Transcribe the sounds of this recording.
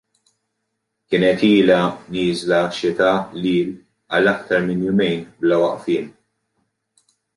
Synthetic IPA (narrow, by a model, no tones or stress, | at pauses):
kɪːnɛt̪iːlɐniːzlɐʃɪt̪ɐliːl | ɐlːɐk̚t̪ɐɾmɪnjʊmɛjnblɐwɐʔfiːn